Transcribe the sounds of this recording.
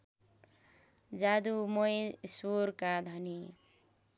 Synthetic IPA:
d͡zad̪umʌjsoɾkad̪ʱʌni

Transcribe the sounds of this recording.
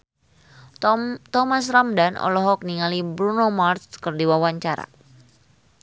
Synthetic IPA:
t̪ɔmasramdanɔ̰lɔɦɔk̚niŋalibɾunomart̪kərdiwawaɲt͡ʃaɾa̰

